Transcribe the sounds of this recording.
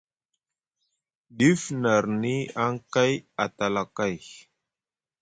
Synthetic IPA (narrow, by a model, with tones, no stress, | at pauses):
di˦fna˨ɾni˦a˦ŋka˦ja˨t̪a˨la˨ka˦j